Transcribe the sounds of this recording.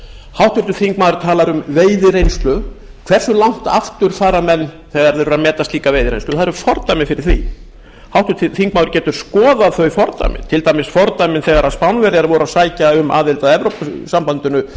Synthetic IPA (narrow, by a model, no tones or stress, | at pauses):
hawht̪ʏɾt̪ʏθiŋkmaːwðɾʏɾ̥t̪ʰaːlaɾʏmveːjðɪɾejnst̪lʏ | kʰv̥ɛr̥sʏlawŋ̥t̪a̰ft̪ʏɾ̥θaːɾamɛnː | θɛɣaɾðɛɾʏɾamɛːt̪ast̪liːkaveːjðɪɾḛjnslʏ̥θaðɾʏɾfɔɾt̪ajmɪnfɪɾɪɾ̥θvḭ | hawht̪ʏ̥t̪iθiŋkmaːðɾcɛːt̪ʏɾ̥skɔːðaðθœɥfɔɾt̪a̰jmɪ̰nt̪ʰɪlt̪aːjmɪsfɔɾt̪ajmɪnθɛːɣaɾaðspawnvɛɾjaɾvɔɾasaːjcaʏmʔa̰ːðɪlt̪aðɛvɾowpsampant̪ʏnʏ